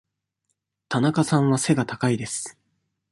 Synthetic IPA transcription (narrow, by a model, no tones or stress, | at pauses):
t̪anakasãɰ̃βase̞ɡat̪akaid̪e̞sɨ̥